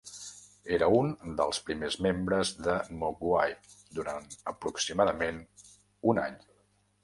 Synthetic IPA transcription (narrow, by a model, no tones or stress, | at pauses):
eɾəund̪əlˠspɾimezmembɾəzðəmuɡwaj | d̪uɾanəpɾuksimaðəmen | unaɲ